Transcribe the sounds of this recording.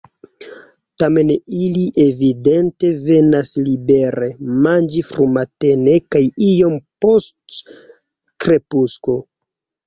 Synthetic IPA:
tame̞niliʔe̞vidente̞ve̞naslibe̞ɾemand͡ʒifɾumate̞ne̞kajijo̞mpo̞st | kɾe̞pusko̞

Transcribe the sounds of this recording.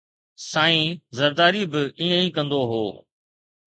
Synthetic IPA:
sãːĩːzɐɾd̪aːɾibɪiːə̃ĩːkɐ̃nd̪oɦo̰ː

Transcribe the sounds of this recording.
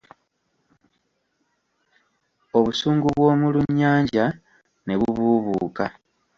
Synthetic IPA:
o̞βusuːŋɡuβwo̞ːmuluɲːaːɲɟa | ne̞βuβuːβuːka

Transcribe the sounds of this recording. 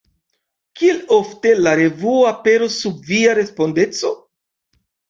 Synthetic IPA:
kielo̞fte̞laɾe̞vuoape̞ɾosːubviaɾe̞spo̞nde̞t͡so̞

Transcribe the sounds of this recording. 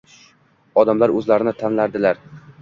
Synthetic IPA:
ɒd̪amlaɾɵzlaɾɪnɪt̪ʰanlaɾd̪ɪlaɾ

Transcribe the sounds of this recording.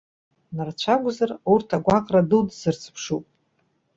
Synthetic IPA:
nart͡ɕʷʰaɡʷzarurtʰaɡʷaqʼradɨldzɨrt͡sʰpʰʂupʼ

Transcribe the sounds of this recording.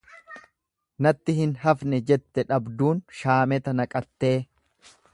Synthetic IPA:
nɐt̪ːɪhɪnɦɐfnɛd͡ʒɛt̪ːɛᶑɐbd̪uːnʃaːmɛt̪ɐnɐkʼɐt̪ːe̞ː

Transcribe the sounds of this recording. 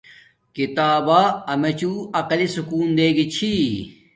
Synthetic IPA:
kit̪aːbaɐmet͡ɕuɐqɐlisukuːnd̪eːɡit͡ɕʰi

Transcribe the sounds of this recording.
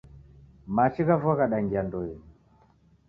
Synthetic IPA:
maʃiɣavaɣaɗaŋɡiandɔɛ

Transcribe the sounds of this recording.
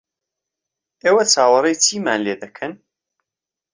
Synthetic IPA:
iwæt͡sːawəɾˤit͡sːjimænliðækʰːən

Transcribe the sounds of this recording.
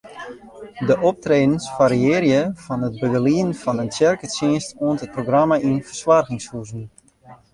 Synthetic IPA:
dəʔop̚treːdən̩sfaɾiɪːrjəfɑnət̚bəɡəliənfɔnəntjɛrkəsjiənstoəntət̚proɡramaʔinfərsʋarɣɪŋshuzn

